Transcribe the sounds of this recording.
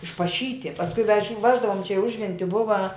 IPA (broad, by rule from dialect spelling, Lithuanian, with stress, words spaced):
ɪʃpɐˈʃʲiːtʲɪ pɐsˈkʊɪ ʋʲɛʃʲ ˈʋʲæːʒdɐʋʊm t͡ʃʲɛ iː ˈʊʒʲʋʲɛnʲtʲɪ ˈbʊʋɐ